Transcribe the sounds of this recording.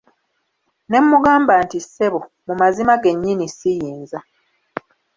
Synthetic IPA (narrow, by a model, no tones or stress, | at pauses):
ne̞mːuɡaːmbaːntiseβo | mumazimaɡe̞ɲːinisijiːnza